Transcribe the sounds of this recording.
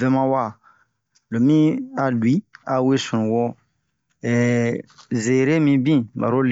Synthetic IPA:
vɛ˦mã˦wa˦˨ | lo˨mĩ˦a˨lu˨i˦a˨we˦sũ˨nũ˨wɔ˦ | ɛ˨ | ze˨ɾe˦mĩ˦bĩ˦ba̰˨ɾo˦l

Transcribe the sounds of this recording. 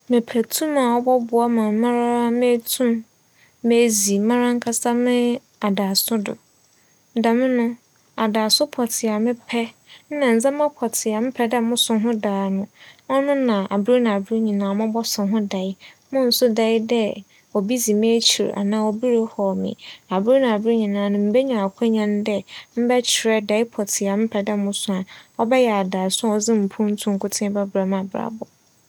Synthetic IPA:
mɪ̃˨pʰæ˨tʰũ˦mã˨wɔ˦bɔ˦bʊ˨ɔ˦mã˨mã˦ɾa˦me˦tʰũ˦m | me˦zi˨mã˦ɾa˦ŋ̩˦kʰa˦sa˦mɪ̃˦ | a˨da˨sʊ˦dʊ̰˨ | da˨mɪ̃˦nʊ̃˦ | a˨daː˨sʊ˦pʰɔ˨tʰɪ˨a˨mɪ̃˦pʰɛ˦ | n̩˦nã˨n̩˨zã˦mã˦pʰɔ˨tʰɪ˨a˨mɪ̃˦pʰɛ˦dɛ˦˨mʊ̃˦sʊ̃˨ɦʊ̃˦daː˨˦nʊ̃˦ɔ˦nʊ̃˦nã˨ʔa̰˨bi˦ɾe˦nã˨a˨bɾe˦ɲĩ˨nãː˨mʊ̃˦bɔ˦sʊ̃˨ɦʊ̃˦da˨ɪ˦mʊ̃˦n̩˦sʊ˦da˦ɪ˦dɛ˦ | ɔ˨bi˦d͡zi˨mẽ˦t͡ɕʰi˨ɾa̰˨nãː˨˦wɔ˨bi˦ɾe˦hɔ˨mɪ̰̃˨a˨bu˦ɾe˦nã˨a˨bɾe˦ɲĩ˨nãː˨nʊ̃˨m̩˦be˦ɲã˨a˨kʷʰɛ˦ɲã˦n˦dɛ˦m̩˦bɛ˦t͡ɕʰɪ˨ɾɛ˦da˨ɪ˦pʰɔ˨tʰɪ˨a˨mɪ˦pʰɛ˨dɛ˦˨mʊ̃˦sʊ̃˨ã˨ɔ˦bɛ˦jɛ˨a˨daː˨sʊ̃˦ɔ˨d͡zɪ̃˦m̩˨pʰũ˦n̩˦tʰũ˦ŋ̩˦kʰʊ˦tʰɪ̃˦ba˦bɾa˨mã˨bɾa̰˨bɔ˨

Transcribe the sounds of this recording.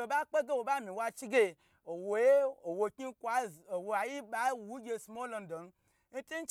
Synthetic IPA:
o˨ba˦k͡pe˦ɡe˦wo˨ba˦mĩ˨wa˧t͡ʃi˦ɡe˦ | o˨wo˨je˦o˨wo˧kʲi˦kʷa˨o˨wo˧a˨ji˦ɓa˨˦wu˦ɡʲe˧smo˦lo˧n̩˦do˨n˦ | n̩˦ti˦n̩˦t͡ʃ

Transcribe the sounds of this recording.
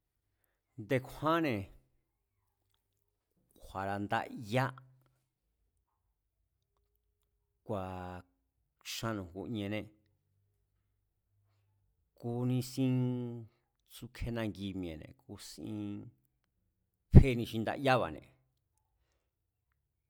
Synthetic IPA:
nd̪e˧kʷʰã˦nẽ˨ | kʷʰa˨ɾa˧˨nd̪a̰˦˧ʔja˦ | kʷa˨ | ʃã˧nũ˨ku˧ɲẽ˧nẽ˧ | ku˧nĩ˧sĩ˦ | t͡su˧kʰe˦nã˧ŋɡi˧mĩ˨ḛ̃˨nḛ̃˨ku˧sḭ̃˧ | ɸe˦˧nĩ˧ʃi˧nd̪a̰˦˧ja˦βa̰˨nḛ̃˨

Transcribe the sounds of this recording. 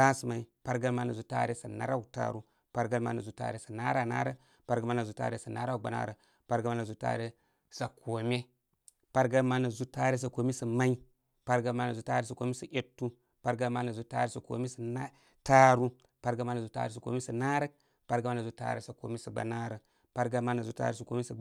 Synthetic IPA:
a˦si˨ma˨i˨pa˦ɾɡa˦lma˦na˨zu˦ta̰˦ɾe˦sa˨na̰˦ɾa˦u˦ta̰˨ɾu˦ | pa˦ɾɡa˦lma̰˦na˨zu˦ta̰ː˦ɾe˦sa˨na˦ɾa˨na̰ː˦ɾə˦ | pa˦ɾɡa˦ma˦na˨zu˦ta̰ː˦ɾe˦sa˨na˦ɾa˦u˨ɡ͡ba˨na̰˦ɾə˨ | pa˦ɾɡa˦ma˦na˨zu˦ta̰˦ɾe˦ | sa˨kʰo˨me˦ | pa˦ɾɡa˦lma˦na˨zu˦ta˦ɾe˦s̬a˨ko˨mi˦sa˨ma˦i˦ | pa˦ɾɡa˦ma˦na˨zu˦taː˦ɾe˦sa˨ko˨˦me˦sa˨ʔe˨tːu˦ | pa˦ɾɡa˦lma˦na˨zu˦ta̰˦ɾe˦sa˨ko̰˨mi˦sa˨a˦ | ta˦ɾu˦ | pa˦ɾɡə˦ma˦na˨zu˦ta̰˦ɾe˦sa˨ko̰˨mi˦sa˨na˦ɾə˦k̚ | pa˦ɾɡa˦ma˦na˨zu˦ta̰˦ɾḛ˦sa˨ko̰˨mi˦sa˨ɡ͡ba̰˨na˦ɾə˨ | pa˦ɾɡa˦ma˦na˨zu˦ta̰˦ɾe˦sa˨ko˨˦e˦sa˨

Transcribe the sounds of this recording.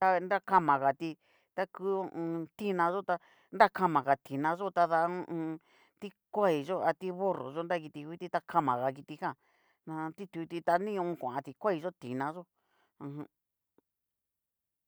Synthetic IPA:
t̪a˧nd̪a˦ka˦mã˨ɣa˨t̪i˧ | t̪a˦ku˦õ˦˧t̪i˦˧nã˧ʒo˦t̪a˧ | nd̪a˦ka˦mã˨ɣa˨t̪i˨nã˧ʒo˦t̪a˧ðã˧˦˧ | t̪i˦kʷa˦i˨ʒo˦a˧t̪i˦βo˦ro̰˨ʒo˦nd̪a˦ki˧t̪i˧kʷi˦t̪i˧t̪a˧kʰa˦mã˨ɣa˨˧ki˧t̪i˧kã˦˨ | nã˧t̪i˦t̪u˧t̪i˧t̪a˧nĩ˦ũ˧kʷã˨ã˧t̪i˧kʷa˦i˧ʒo˦t̪i˨nã˧ʒo˦ | ã˧ɦã˧

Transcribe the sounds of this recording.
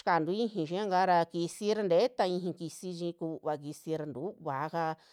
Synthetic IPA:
ʃka˨nd̪u˧˦ĩ˦˧ɦĩ˧˨ʃĩ˧˦ã˦ŋɡa˦ɾa˧ki˧si˦ɾa˧nd̪e˨˦t̪a˧ĩ˧ɦĩ˧ki˧si˧ʒĩ˧˦˧ku˧βa˧k̬i˧si˧ɾa˧nd̪u˨˦βa˨˦ka˧

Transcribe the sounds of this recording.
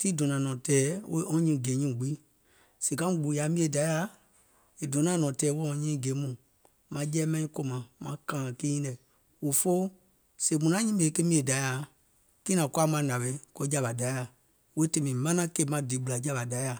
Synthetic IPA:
ti˦dɔ̃˨nã˨nɔ̃˨tɛː˨˦wo˦ʔɔ̃˧˦ɲĩ˧˨ɡe˨˦ɲĩ˦˨ɡ͡biː˦ | se˨kã˦ɡ͡bu˨ja˨˦mĩ˧e˧˨da˨˦ja˧˦ | e˨dɔ̃˨˦nã˨˦nɔ̃˨tɛː˨˦wo˦ɔ̃˧˦ɲĩː˦˨ɡe˨˦mũ˨ | mã˧d͡ʒɛː˦mɛ̃˧nĩ˧˦ko˧˦mã˨mã˨˧˦kã˦˨ã˨ki˦ɲĩ˦ɛ˨ | wo˨fo˦ | se˨mũ˨nã˦ɲĩ˦e˨˦ke˦mĩ˧e˨da˨˦ja˨ | ki˦nã˨ku˦a˦mã˧˨nã˨ɓɛ˧˦ko˧˦d͡ʒa˨˧ba˨da˨˦ja˨ | we˦te˧mĩ˨mã˦nã˦ke˧˦mã˧˦di˨˦ɓu˧la˨d͡ʒa˧ba˨da˨˦ja˨

